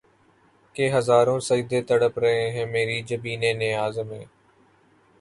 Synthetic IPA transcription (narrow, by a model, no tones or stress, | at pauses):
keːɦəzaːɾõːsəid̪eːt̪əɽəpɾəẽːɦẽːmeːɾiːd͡ʒəbiːneːnɪjaːzmḛ̃ː